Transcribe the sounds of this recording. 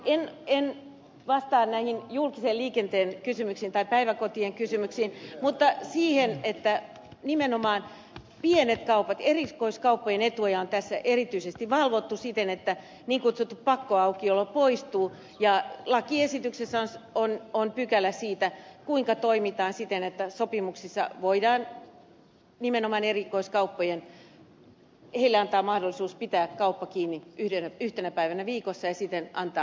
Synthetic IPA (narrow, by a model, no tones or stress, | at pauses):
enen | ʋɑst̪ɑːnnæihinjulkiseːlliːkent̪eːnkysymyksiːnt̪ɑipæiʋækot̪ieŋkysymyksiːnmut̪ːɑsiːhenet̪ːæ | nimenomɑːn | pienet̪kɑupɑt̪erikoiskɑupːojenet̪ujɑont̪æsːæʔerit̪yisest̪iʋɑlʋot̪ːusit̪enet̪ːæ | niːŋkut̪sut̪ːuppɑkːoɑukiolːopoist̪uː | jɑlɑkiesit̪yksesːæonsononpykælˑæsiːt̪ækuiŋkɑt̪oimit̪ɑːnsit̪enet̪ːæsopimuksisːɑ̰ʋoidɑːn | nimenomɑnerikoiskɑupːojen | heilːeɑnt̪ɑːmɑhdolːisuːspit̪æːkkɑupːɑkiːnːiʔyhdenæyht̪enæpæiʋænæʋiːkosːɑjɑsit̪enɑnt̪ɑː